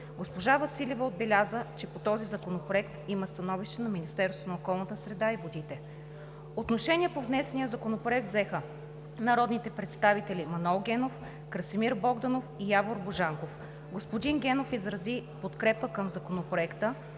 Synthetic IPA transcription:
ɡospoʒavɐsilʲivəod̪̚bɛlʲazət͡ʃɛpot̪ɔzizɐkonopɾoɛkt̪iməst̪ɐnɔviʃt̪ɛnɐminist̪ɛɾst̪vonəokɔlˠnət̪əsɾɛd̪aivod̪it̪ɛ | ot̪noʃɛniɛpovnɛsɛnijəzɐkonopɾoɛk̚t̪zɛxə | nɐɾɔd̪nit̪ɛpɾɛt̪st̪avit̪ɛlʲimɐnɛlˠɡʲɛnof | kɾəsimiɾbɔɡd̪ɐnofijavoɾboʒaŋkof | ɡospod̪iŋɡʲɛnofizɾɐzipot̪kɾɛpəkəmzɐkonopɾoɛkt̪ə

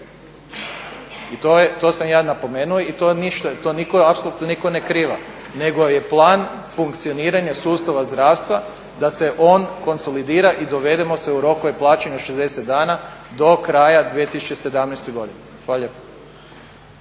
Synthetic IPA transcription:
it̪ojet̪o̞ːsamjaːnapo̞meːnuoit̪oniʃt̪at̪oːnikoapsolˠuːt̪noniko̞nekɾiːʋa | ne̞ɡo̞je̞plˠaːn | fuŋkt̪sio̞niːɾaɲasuːst̪aʋazd̪ɾaːʋst̪ʋa | d̪ase̞ʔo̞ːnko̞nso̞lid̪iːɾaʔid̪o̞ʋe̞d̪emo̞seuɾo̞koʋeplˠaːt͡ʃeɲaoʃezd̪e̞set̪̚d̪aːnad̪o̞kɾajad̪ʋijet̪isu̥t͡ʃese̞d̪amnɛjst̪ojɡo̞d̪inexʋalaʎepḁ

